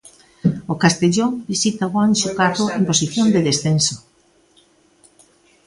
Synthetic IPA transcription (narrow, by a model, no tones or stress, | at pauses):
okast̪eʎoŋbisit̪aɣwanʃukat̪oemposiθjond̪eðesθenso